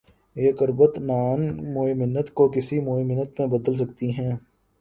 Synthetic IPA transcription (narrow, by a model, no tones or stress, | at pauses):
eːkʊɾbət̪naːnmoːemɪnːət̪kokɪsimoːemɪnːət̪mẽbɐd̪əls̬ɐk̚t̪iɦɛ̃ː